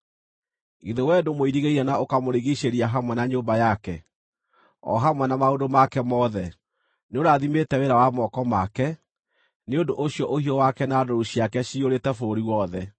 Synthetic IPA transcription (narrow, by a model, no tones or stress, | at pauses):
iðowɛdomoiɾiɣeiɾɛnaokamoɾiɣiɕeɾiaɦamwɛnaɲoːmbajakɛ | ɔ̰ɦamwɛnamaodomakɛmɔðɛ | neoɾaðimetɛweɾawamɔkɔmakɛ | neondoʔoɕijɔʔohiɔwakɛnaːdoɾoɕiakɛɕioɾetɛfoɾiwɔðɛ